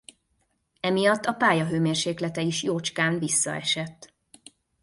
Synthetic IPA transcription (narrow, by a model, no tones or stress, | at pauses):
ɛmijɒt̪ːɒpaːjɒɦøːmeːrʃeːklɛt̪ɛiʃjoːt͡ʃkaːnvisːɒ̰ɛ̰ʃɛt̪ː